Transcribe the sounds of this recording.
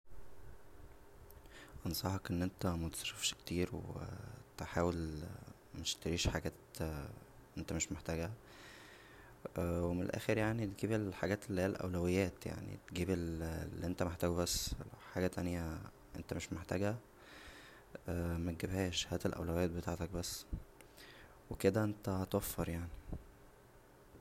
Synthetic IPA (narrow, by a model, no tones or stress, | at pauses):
ʔɑnsˤɑħɑkʔenːʔent̪æmæt̪sˤɑɾefʃkt̪iːɾwḛt̪eħaːwel | meʃt̪eɾiːʃħaɡæːt̪ | ʔent̪æmeʃmeħt̪æːɡæ | wemenḛlʔæ̰ːxeɾjaʕnit̪̚ɡiːbelħaɡæːt̪elːihiːælʔæ̰wlæwejːæːt̪ja̰ʕnḭt̪ɡiːbellːiʔent̪æmeħt̪æːɡubæsːħaːɡæt̪ænjæ | ʔḛnt̪æmeʃmeħt̪æːɡæ | mæt̪̚ɡebhæːʃhæːt̪elʔæ̰wlæwejːæːt̪̚bet̪aːʕt̪ɑk̚bæsː | weked̪æʔent̪æt̪wæfːeɾˤjaʕni